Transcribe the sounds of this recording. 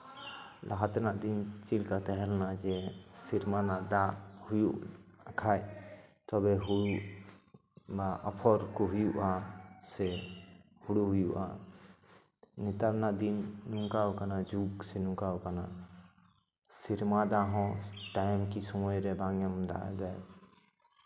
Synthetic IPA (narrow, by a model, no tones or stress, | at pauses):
laɦat̪naʔd̪int͡ʃilkat̪ɛɦɛlnad͡ʒɛsiɾmanaʔd̪ahujuʔkʰajt̪ɔbɛɦuɽu | baʔɔpʰɔɾkɔɦujuʔasɛ | huɽuɦujuʔa̰ | nit̪aɾnad̪inːũŋkawkanad͡ʒuɡsenũkawkana | siɾmad̪aɦɔ̃ʈajmkisɔmɔjɾebaŋjəmd̪a̰d̪aj